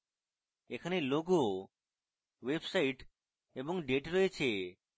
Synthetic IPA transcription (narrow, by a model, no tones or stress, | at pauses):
ekʰaneloɡo | ʋebsaiʈ | eboŋɖeʈɾɔet͡ɕʰe